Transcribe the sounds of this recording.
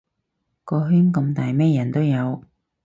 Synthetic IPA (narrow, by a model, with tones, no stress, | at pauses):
kɔː˧ɦyː˥nkɐ˧mt̪aː˨˩jmɛː˥jɐ˨˩nt̪o˥wjɐ˨˧w